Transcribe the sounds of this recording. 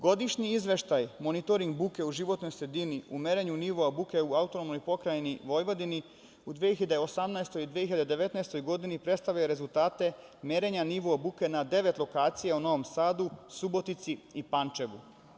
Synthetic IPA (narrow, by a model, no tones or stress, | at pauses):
ɡo̞d̪iʃɲiizʋe̞ʃt̪ajmo̞nit̪o̞ɾiŋɡ̚buke̞uʒiʋo̞t̪no̞jsɾe̞d̪iniumeɾeɲuniʋoabuke̞uaut̪o̞nomnojpo̞kɾajeniʋo̞jʋo̞d̪ini | ud̪ʋieeçiʎad̪eo̞samnaest̪o̞jid̪ʋieiʎad̪ed̪e̞ʋe̞t̪naest̪o̞jɡo̞d̪inipɾe̞t̪st̪aʋʎajeɾe̞zulˠt̪aːt̪e̞me̞ɾe̞ɲaniʋoabukenad̪e̞ʋe̞t̪lˠo̞kaːt̪sijauno̞ʋo̞msaːd̪usubo̞t̪it̪siipant͡ʃe̞ʋu